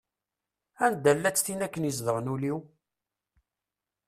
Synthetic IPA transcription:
ænd̪ælːæt͡sːθinækːənizðəʁnuliw

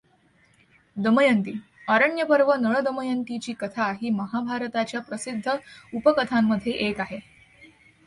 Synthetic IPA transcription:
d̪əməjənt̪iː | əɾəɳjəpəɾʋənəɭəd̪əməjənt̪it͡ɕiːkət̪ʰaɦiːməɦabʱaɾt̪at͡ɕjapɾəsid̪ʱːəupəkət̪ʰamːəd̪ʱjeʔekaɦe

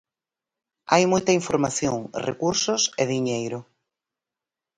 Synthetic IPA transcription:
a̰jmojt̪ɐiɱfoɾmaθjoŋrḛkuɾsoseðiɲejɾʊ

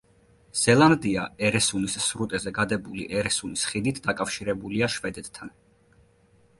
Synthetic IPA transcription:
z̥ɛlˠand̪iaɛɾɛsunissɾut̪ʼɛzɛɡad̪ɛbulḭʔɛɾɛsunisχid̪it̪ʰd̪akʼafʃiɾɛbuliaʃvɛd̪ɛt̪t̪ʰːan

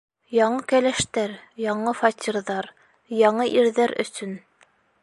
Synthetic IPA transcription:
jɑɴɤkælæʃt̪æɾjɑɴɤfɑtʲiɾðɑɾ | jɑɴɤʔiɾðæɾɵ̰̆sɵn

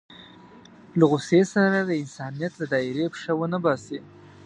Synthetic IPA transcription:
laɣʊsesaɾad̪əɪnsɑnijat̪lad̪ɑɪɾepʂawənəbɑse

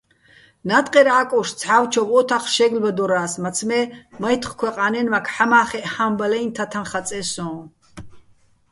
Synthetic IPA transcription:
nat̪ʼqʼɛɾaːkʼɔʃt͡sʰħawt͡ʃʰɔvɔt̪ʰaχʃɛɡlbad̪ɔɾaːsmat͡sʰmɛmajt̪ʰχkʰwɛqʼanɛnmakʰħamaːχɛʔħambalɛjnt̪ʰat̪ʰanχat͡sʼɛsɔ̃ː

